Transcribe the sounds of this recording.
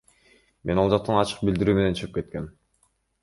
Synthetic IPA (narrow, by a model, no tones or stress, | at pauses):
me̞nolˠd͡ʒɑq̚t̪ɑnɑt͡ʃɯ̥q̚bild̪iɾyːme̞ne̞nt͡ʃʰɯʁip̚ke̞t̪̚ke̞n